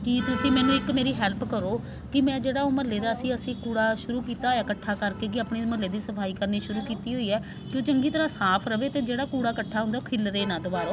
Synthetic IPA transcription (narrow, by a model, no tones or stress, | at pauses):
kɪt̪ʊsĩːmɛːnũːɪkmeːɾiːɦɛːlpkəɾoː | kɪmɛ̃ːd͡ʒeːɽaːoːməleːd̪aːəsĩːəsĩːkuːɽaːʃʊɾuːkiːt̪aːɦːjaːkəʈʰːaːkəɾkeːk̬ɪaːpɳiːməleːd̪iːsəpʰaːiːkəɾniːʃʊɾuːkiːt̪iːɦoːiːɛː | kɪoːt͡ʃəŋɡiːt̪əɾãːsaːpʰɾəʋeːt̪eːd͡ʒeːɽaːkuːɽaːkəʈʰːaːɦʊ̃nd̪aːokʰɪlɾeːnãːd̪ʊʋaːɾoː